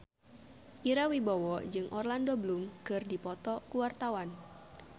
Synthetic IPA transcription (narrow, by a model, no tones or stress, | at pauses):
ʔiɾawibawɔd͡ʒɨŋʔɔrlandoblumkɨrdipɔt̪ɔkuwart̪awan